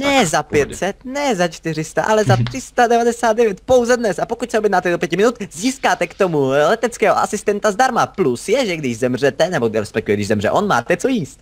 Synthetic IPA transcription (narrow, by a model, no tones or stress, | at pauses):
nɛzapjɛt̪sɛt̪nɛzat͡ʃt̪ɪr̝ɪst̪aʔalɛzat̪r̝̥ɪst̪adɛvadɛsaːd̪̚dɛvjɛt̪po̞wzɛdnɛsapo̞kuc̚sɛobjɛdnaːt̪ɛdopjɛcɪmɪnut̪ziːskaːt̪ɛkt̪omulɛt̪ɛt͡skɛːɦo̰ʔasɪst̪ɛnt̪azd̪aɾmaplusjɛʒɛɡdɪʒzɛmr̝ɛt̪ɛnɛboɡdɛɾɛspɛk̚t̪ujɛɡdɪʒzɛmrɛ̰ʔonma̰ːt̪ɛt͡sojiːst̪